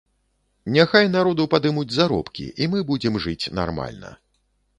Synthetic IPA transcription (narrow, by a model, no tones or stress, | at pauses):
nʲaxajnaɾɔd̪upad̪ɨmud͡zʲzaɾɔ̰pkʲḭʔimɨbud͡zʲɛmʐɨt͡sʲna̰rma̰lʲnɐ̰